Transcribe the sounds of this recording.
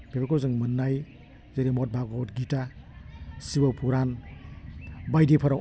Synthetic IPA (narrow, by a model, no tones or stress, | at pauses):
bebakʰozɯŋmɯnːaj | zeɾimɔt̚bʱaɡɔtɡita | sibawpʰuɾan | bajdepʰɐɾa